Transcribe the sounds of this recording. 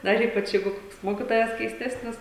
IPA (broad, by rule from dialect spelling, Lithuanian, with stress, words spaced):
dɐr ˈiːpɐt͡ʃ ˈjɛɪɡʊ ˈkoːks ˈmoːkʲɪtoːjɛs kʲɛɪsʲˈtʲæːsʲnʲɪs